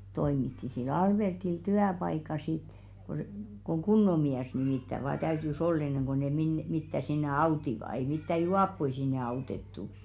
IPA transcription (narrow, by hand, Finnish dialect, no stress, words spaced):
toimitːi sil ɑlb̥ertil tyæpɑikɑ sit ko koŋ ɡ̊unːo miæs nimiˑtːæ ʋɑː tæytys ol enːeŋ ɡ̊o ne minːe mitːæ sinːe ɑutiʋɑ ei mitːæ juɑpːoi sinːe ɑutetːu